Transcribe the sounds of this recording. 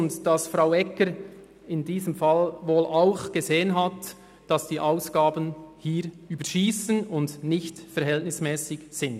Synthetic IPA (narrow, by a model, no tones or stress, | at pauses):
ntd̥ɑsfɾaʊɛkəɾ | ɪndiːzəmfɑlʋoːlʔaʊxɡ̥ezeːənɦɑt | d̥ɑsd̥iːʔaʊsɡ̥aːbənhiːɾ | yːbəʃiːsənʊndnɪçtfɛɾhɛltnɪsmɛːsɪkz̥ɪnd